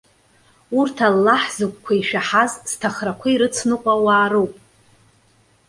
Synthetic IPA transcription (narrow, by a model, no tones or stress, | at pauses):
urtʰalːaħzɨkʷʼkʷʰaiʃᶣaħazz̥tʰaχrakʷʰaiɾɨt͡sʰnɨqʷʼawaːɾowpʼ